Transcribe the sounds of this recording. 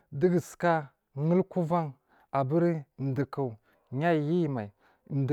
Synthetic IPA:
di˦ɡə˨ska˦ | ŋə˦lku˦va˦ŋ | a˨bə˦ɾn˨di˨ku˨u˨ | ɲa˦˨ji˦˨ma˨i˨ | n˨d

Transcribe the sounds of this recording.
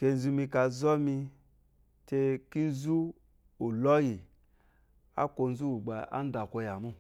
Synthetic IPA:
ke˧n̩˦˨zu˧mi˧ka˧zɔ˦mi˧ | te˧ki˦n̩˦zu˦ | u˨lɔ˦ji˨ | a̰˦kʷo˧n̩˦zu˦u˨ɡ͡ba˧a̰˦n̩˦da˨kʷo˧ja˨mu˦

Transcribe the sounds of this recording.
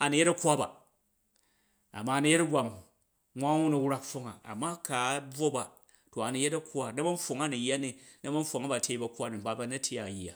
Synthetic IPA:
a˨ni˨je˦tɐ˦kʷa˦ba̰˨ | a̰˨ma˦˨ni˦je˦tɐ˦ɡʷa˨mu˨ | ŋʷa˦u˦nu˨wɾa˦kfo˦ŋa˨a̰˨mːa˦ka˨˦bo˦ba˨ | to˨a˨ni˨je˦tɐ˦kʷa˦nɐ˦bɐ˦n̩˦fo˨ŋa˦ni˨jːa˦ni˨nɐ˦mɐ˦n̩˦ɸo˨ŋa˦ba˨tʲe˦i˦bɐ˨kʷa˦ni˨m̩˨ba˦ba˦nɐ˦tʰʲi˦a˨ja̰˨

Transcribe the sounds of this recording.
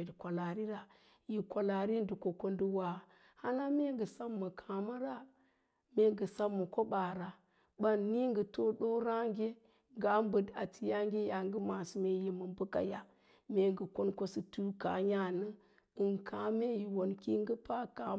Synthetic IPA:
dkʷa˨la˨ɾi˦ɾa˨ | ji˨kʷa˨la˨ɾi˦n˦du˨ko˨ko˦ndə˦wa˨ | ha˦na˦me˦ŋɡə˨sa˦mːə˨kʰa˨ma˦ɾa˦ | me˦ŋɡə˨sa˦mːə˨ko˦ba˨ɾa˨ | ba˦nːi˦ŋɡə˨to˦ɗo˦ɾa˦ŋɡʲe˦ | ŋɡa˨˦m˦bə˨da˨ti˨ja˦ŋ˦ɡʲe˦ja˨ŋɡə˦ma˨si˨me˨ji˨mə˨mbə˦ka̰˨ja˨ | me˨ŋɡə˨ko˦nko˦si˨tu˦ka˨ja˦nə˦ | ɨ˨nkʰa˨˦me˦ji˨wo˨nki˦ŋɡə˦pa˦ka˨

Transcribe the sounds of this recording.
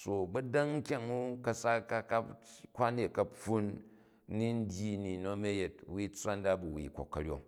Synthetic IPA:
so˨ɡ͡bɐ˦da˦ŋ̩˦kʲa˨ŋu˦kɐ˦sa˦ka˦ka˦pkʷa˦ne˨kɐ˨pu˦nː˦ | i˦n̩˦dʲji˦ni˨no˦me˦je˨t̚wi˦t͡sʷa˦nda˦bu˨wḭ˨ko̰˨kːɐ˨ɾʲjo̰˨

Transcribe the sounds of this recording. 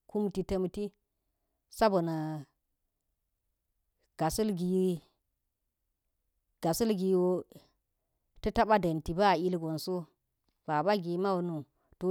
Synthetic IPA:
ku˦mti˨tə˦mti˦ | sa˦bo˨na˨ | ɡ̥a˨su˦lɡi˨ji˦ | ɡ̥a˨su˦lɡi˨wo˦ | tə˦ta˦ba˦de˨nti˨ba˦˨i˦lɡo˨nso˦ | b̥a˨ba˦ɡi˨˦ma˦wo˨nu˨ | to˦

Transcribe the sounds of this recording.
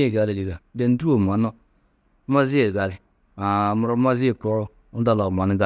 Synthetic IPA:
e˦˨ɡa˨li˨li˨ɡa˨de˨n̩˦du˦o˨m˨a˨˦no˦ | ma˦zi˦e˨ɡa˨li˨ | a˨mu˨ɾo˦ma˦zi˦e˦˨ko˦ɾo˦ | u˦da˦lo˨m˨a˨ni˦ɡa˦

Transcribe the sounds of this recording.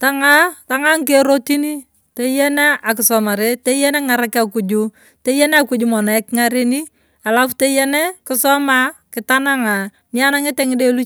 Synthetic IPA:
ta˦ŋa˦ta˨ŋa˦ŋke˦ɾo˦ti˦ni˦ | te˦jɛ˦ne˦a˨kɪ˨sɔ˨ma˨ɾe˦te˦jɛ˦nɛ˦ŋa˨ɾa˦ka˨ku˨d͡ʒu˦ | te˦jɛ˦ne˦a˨ku˨d͡ʒu˨mɔ˨na˨˦kŋa˦ɾe˦ni˦ | a˨la˦fte˦jɛ˦ne˦kɪ˦sɔ˦ma˦kɪ˨ta˦na˦ŋa˨ | mi˦a˦na˦ŋɪ˦te˦ŋɪ˦de˦lu˦

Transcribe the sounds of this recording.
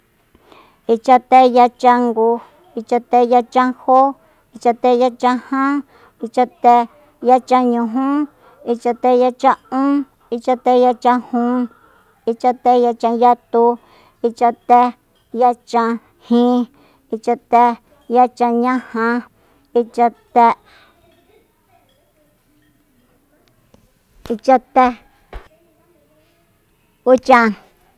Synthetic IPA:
i˧t͡ʃa˧t̪e˦ja˧t͡ʃã˧ŋɡu˧ | i˧t͡ʃa˧t̪e˧ja˧t͡ʃã˧ho˦ | i˧t͡ʃa˧t̪e˧ja˧t͡ʃã˧hã˦ | i˧t͡ʃa˧t̪e˧ | ja˦t͡ʃã˧ɲũ˧ɦũ˦ | i˧t͡ʃa˧t̪e˧ja˧t͡ʃã˧ũ˦ | i˧t͡ʃa˧t̪e˧ja˧t͡ʃã˧hũ˧˦ | i˧t͡ʃa˧t̪e˦ja˧t͡ʃã˧ja˦t̪u˧ | i˧t͡ʃã˧t̪e˧ | ja˦t͡ʃã˧ | hĩ˦ | i˧t͡ʃa˧t̪e˧ | ja˦t͡ʃã˧ɲã˦hã˧ | i˧t͡ʃa˧t̪e˧ | i˧t͡ʃa˧t̪e˦ | u˦t͡ʃã˧

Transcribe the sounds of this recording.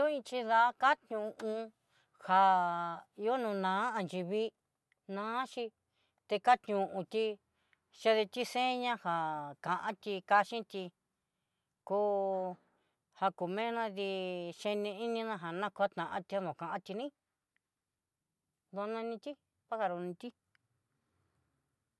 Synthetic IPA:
o˦ĩ˧t͡ʃi˧ða˧˦ka˦t̪ɲũ˨ʔũ˧ | ha˨ | i˧˦o˦nũ˧nãː˨˦a˧nd͡ʒi˧βi˧ | nãː˨˦ʃi˧ | t̪e˧ka˦t̪ɲũ˨ʔũ˧t̪i˧ | ʃe˧ðe˧t̪i˦sẽ˦ɲã˦ha˨kã˨ʔã˦t̪i˧ka˧ʃĩ˦t̪i˧ | kuː˦ | ha˧ku˨mẽ˦nã˦˧ði˧ʃe˧nĩ˧i˦nĩ˧nã˧ɦa˨nã˦kʷa˦t̪nã˨ʔã˦t̪i˧ha˦ðõ˨kã˨ʔã˦t̪i˧nĩ˦ | ðo˧nã˧nĩ˧t̪ʲi˦ | pa˦ha˧ɾu˧nĩ˧t̪i˦

